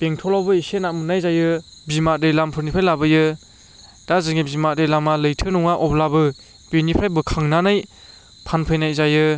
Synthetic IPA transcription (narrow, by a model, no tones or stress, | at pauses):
b̥eŋtʰɔlawbɯisenamɯnajzajɯbimat̚ɾejlampʰɯɾnipʰajlabɯjɯ | d̥azɯŋibimat̚ɾejlamalɯjtʰɯnɔŋaʔɔplabɯ | binipʰajbɯkʰaŋnanaj | pʰanpʰɯjnajzajɯ